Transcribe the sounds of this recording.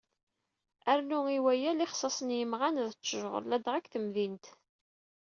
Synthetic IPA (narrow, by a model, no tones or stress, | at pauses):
æɾnuiwæjæliχsˤɑsˤənjəmʁænðət͡sːəʒʁə̰ɾlæd̪ʁækθəmðint̪